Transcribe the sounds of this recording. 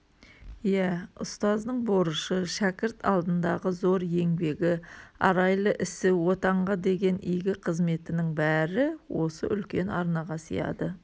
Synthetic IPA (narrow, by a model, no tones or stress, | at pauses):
jæʊst̪ɑzd̪əɴbo̞ɾəʃəʃækʲɪɾt̪ʰɑ̰lˠd̪ənd̪ɑʁəzo̞ɾje̞ŋbe̞ɡʲɪɑ̰ɾɑjlˠəʔɪsɪwo̞t̪ɑɴʁɑd̪e̞ɡʲe̞nijɡʲɪqʰəzme̞t̪ɪnɪŋbæɾɪwʔo̞sə̰ʔʏlkʲe̞nɑɾnɑʁɑsḭjɑ̰d̪ə